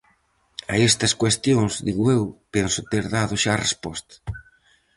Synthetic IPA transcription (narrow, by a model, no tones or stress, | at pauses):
a̰est̪ɐskwest̪joŋzðiɣoewpensʊt̪eɾðaðʊʃarḛspɔst̪ɐ̥